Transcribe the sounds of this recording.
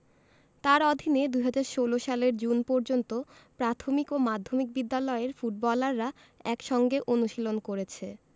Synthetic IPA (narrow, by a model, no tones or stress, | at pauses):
t̪aɾɔd̪ʱined̪uɦad͡ʑaɾʃoloʃaleɾd͡ʑunpoɾd͡ʑont̪opɾat̪ʰomikomad̪ʱːomik̚bid̪ːalɔeɾfuʈ̚bɔlaɾːa | ɛkʃɔŋɡeʔonuʃilonkoɾet͡ɕʰe